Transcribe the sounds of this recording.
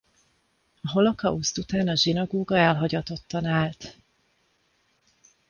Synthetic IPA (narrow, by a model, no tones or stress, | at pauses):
ɒɦo̞lo̞kɒust̪ut̪aːnɒʒinɒɡoːɡɒɛlɦɒɟɒt̪o̞t̪ːɒnaːlt̪